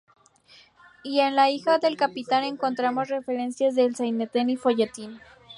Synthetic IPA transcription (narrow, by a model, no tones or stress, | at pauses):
ie̞nlaixaðe̞lkapit̪ane̞ŋko̞nt̪ɾamo̞sre̞fe̞ɾe̞nsjazðe̞lsajnet̪enifo̞ʝet̪in